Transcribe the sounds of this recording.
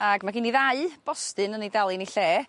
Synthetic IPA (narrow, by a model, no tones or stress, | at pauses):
aɡmaɡiːniðaɨb̥ɔstɨnənidalˠiniɬeː